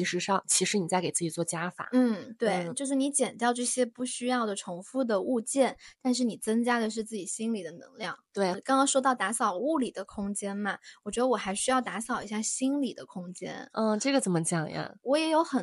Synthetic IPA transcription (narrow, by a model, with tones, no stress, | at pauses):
i˧˥ʂɻ̩˧˥ʂɑ˥˧ŋt͡ɕʰi˧˥ʂɻ̩˧˥ni˨˩t͡sa˥˩ɪke˨˩ɪt͡sɹ̩˥˩t͡ɕi˨˩t͡swɔ˥˩t͡ɕja˥fa̰˨˩˦n̩˥˩t̪we˥˩ɪt͡ɕjo˥˧ʂɻ̩˥˩ni˧˥t͡ɕjɛ˨˩nt̪jɑ˥˧ʊʈ͡ʂɤ˥˩ɕjɛ˥pu˥˩ɕy˥jɑ˥˩ʊd̪ə˩ʈ͡ʂʰʊ˧˥ŋfu˥˩d̪ə˩u˥˧t͡ɕjɛ˥˩nt̪a˥˧nʂ̬ɻ̩˥˩ni˨˩t͡sɤ˥ŋt͡ɕja˥d̪ə˨ʂ̬ɻ̩˥˧t͡sɹ̩˥˩t͡ɕi˨˩ɕi˥nli˨˩d̪ə˦nɤ̰˧˥ŋljɑ˥˩ŋt̪we˥˩ɪkɑ˥ŋkɑ˥ŋʂwɔ˥t̪ɑ˥˩ʊt̪a˧˥sɑ˨˩ʊu˥˩li˨˩d̪ə˦kʰʊ˥ŋt͡ɕjɛ˥nmɐ˩wɔ˨˩t͡ɕɥɛ˧˥d̪ə˧wɔ˨˩xa˧˥ɪɕy˥jɑ˥˩ʊt̪a˧˥sɑ˨˩ʊḭ˧˥ɕja˥˩ɕi˥nli˨˩d̪ə˦kʰʊ˥ŋt͡ɕjɛ̰˥n̩˥˩ʈ͡ʂɤ˥˩ɡə˩t͡sə˨˩nmə˦t͡ɕjɑ˨˩ŋjɐ̰˩wɔ˧˥jɛ˧˥jo˧˥ʊxə˨˩n